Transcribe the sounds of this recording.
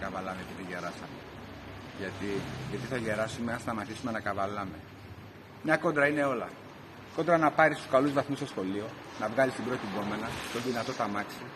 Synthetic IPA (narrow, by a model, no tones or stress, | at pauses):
kɐvɐlɐmep̪iðiʝe̞ɾɐsɐmḛ | ʝɐt̪iʝɐt̪iθɐʝe̞ɾɐsumeɐnst̪ɐmɐt̪isume̞nɐkɐvɐlɐme̞ | mɲɐko̞d̪ɾɐine̞o̞lɐ̰ | ko̞nd̪ɾɐnɐpɐɾist̪u̥skɐluzvɐθmust̪o̞sxo̞lio̞ | nɐvɣɐlist̪ibɾot̪iɡo̞me̞nɐt̪onðinɐt̪o̞t̪ɐmɐksi